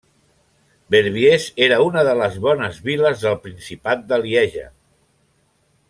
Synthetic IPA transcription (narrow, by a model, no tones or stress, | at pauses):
beɾβ̞jezeɾəunəðələzβɔnəzβiləzðəlˠpɾinsipat̪̚d̪əliɛʒə̰